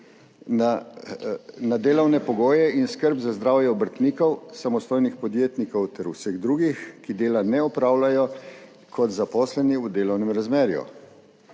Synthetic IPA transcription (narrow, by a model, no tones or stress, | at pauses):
a | nad̪eːlɔwnɛpɔɡoːjɛinskəɾbzazd̪ɾaːwjɛɔbəɾt̪niːkɔwsamɔst̪oːjnixpɔd̪jeːt̪nikɔwt̪ɛɾusɛɣd̪ɾuːɡixkid̪eːlanɛɔpɾaːwlajɔ | kʰɔt̪zapɔːslɛniud̪eːlɔwnɛmɾazmeːɾjṵ